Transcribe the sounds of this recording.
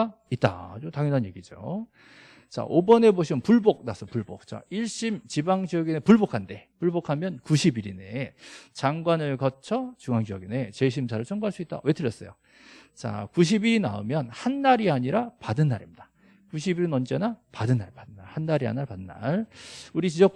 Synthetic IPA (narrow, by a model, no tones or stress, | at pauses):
it͈̚a̰otaŋjʌnɦanje̞ɡid͡ʑo̰ | t͡ɕa̰ʔobʌne̞boɕ̬ʰimɯnpuɭbok̚nasʰʌpuɭbok̚t͡ɕ͈a̰iɭɕ͈imt͡ɕibaŋd͡ʑijʌɡinepuɭbokʰande̞puɭbokʰamjʌnkuɕʰibiɾine̞̰t͡ɕaŋɡwanɯɭkʌt͡ɕʰʌt͡ɕuŋɦaŋd͡ʑijʌɡine̞t͡ɕe̞ɕ̬ʰims̬ʰaɾɯɭt͡ɕʰʌŋɡoɦaɭs͈uit̚t͈a̰we̞tʰɯɾjʌs͈ʌjo | t͡ɕa̰kuɕ̬ʰibiɾina̰ɯmjʌnhanːaɾiaɲiɾapadɯnːaɾḭmɲid̥ḁ | kuɕ̬ʰibiɾɯnʌnd͡ʑe̞napadɯnːaɭpadɯnːaɭhanːaɾia̰ɲinaɭpadɯnːa̰ɭuɾit͡ɕid͡ʑʌk̚